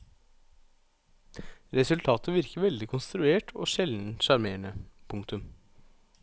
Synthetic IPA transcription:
ɾɛsʉlt̪ʰɑːt̪ʰəʋɪɾkəʋɛld̪ɪkʰʊnst̪ɾʉeːʈʰo̰ːʃɛld̪n̩ʃɑɾmeːɳəpʰʊŋkt̪ʉm

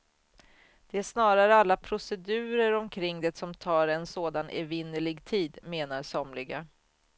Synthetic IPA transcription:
d̪̥ɛæʂnɑːɾaɾəalːapʰɾʊsɛd̪ʉ̟ːɾəɾɔmkʰɾɪŋːd̪ɛsɔmt̪ʰɑːɾɛnsoːd̪anɛ̰vɪnːəlɪɡt̪ʰiːd̪meːnaɾsɔmlɪɡa

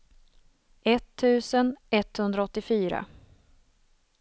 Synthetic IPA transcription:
ɛt̪ʰːʉ̟ːsənɛt̪hɵnd̪ɾaɔt̪ːɪfyːɾa̰

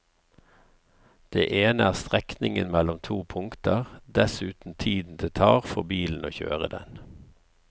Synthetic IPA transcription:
d̪̥ḛːʔeːnəæːʁst̪ʁɛknɪŋənmɛlɔmt̪ʰuːpʰʊŋkt̪əʁd̪ɛsʉːt̪n̩t̪ʰiːd̪n̩d̪eːt̪ʰɑːʁfɔbiːln̩oːçø̰ːʁəd̪ɛn

